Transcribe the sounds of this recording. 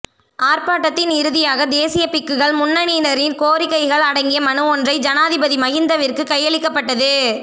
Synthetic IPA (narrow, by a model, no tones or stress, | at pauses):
ʔaːɾpaːʈːɐt̪ːɪnɪɾɯðɪjaːɣɐd̪eːsɪjɐpɪkːɯɣɐɭmʊnːɐniːnɐɾɪnkoːrɪkːɐɪɣɐɭɐɽɐŋɡɪjɐmɐnɯɔndrɐɪd͡ʒɐnaːðɪbɐðimɐɣɪnd̪ɐʋɪrkɯkɐjːɐɭɪkːɐpːɐʈːɐðɯ